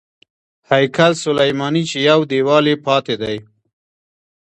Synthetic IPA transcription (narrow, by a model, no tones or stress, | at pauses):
hajkalsʊlajmɑːnit͡ʃejawd̪ewɑːlepɑːt̪ed̪aj